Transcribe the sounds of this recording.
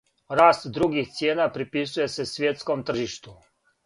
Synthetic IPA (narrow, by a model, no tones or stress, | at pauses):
ɾaːst̪d̪ɾuɡixt̪sʲjeːnapɾipisuje̞sesʋjet̪sko̞mt̪ɾ̩rʒiʃt̪u